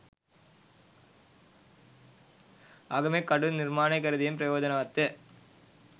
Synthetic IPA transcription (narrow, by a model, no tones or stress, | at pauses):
aːɣɐmeːkɐɽɯnɪɾmaːnɐɪkːɐɾɯðɪjɐmp̬ɪɾɐjoːðɐnɐɐt̪ːɐ